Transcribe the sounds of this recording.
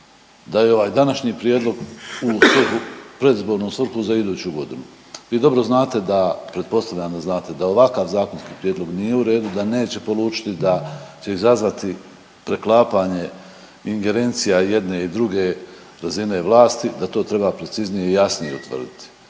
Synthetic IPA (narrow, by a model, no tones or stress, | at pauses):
d̪ajeoʋaːjd̪anaʃɲiːpɾʲije̞ːd̪lˠo̞ɡusʋr̩xupɾe̞d̪izbo̞ːɾnosʋr̩xuzaid̪uːt͡ɕuɡo̞d̪inu | ʋiːd̪o̞bɾo̞znaːt̪e̞d̪apɾet̪po̞st̪aʋʎʲand̪aznaːt̪e̞d̪ao̞ʋakaʋzaːkonskiːpɾijed̪lo̞ɡnije̞uɾe̞ːd̪ud̪ane̞ːt͡ɕe̞po̞luːt͡ʃi̥t̪id̪at͡ɕe̞izazʋat̪i | pɾe̞klˠaːpaɲe̞ | iŋɡe̞ɾe̞nt̪sijaje̞d̪ne̞id̪ɾuɡe̞ | ɾazine̞ːʋlˠaːst̪id̪at̪o̞ːt̪ɾe̞bapɾe̞t̪siznijeijasnijeṵt̪ʋə̰r̩d̪it̪i̥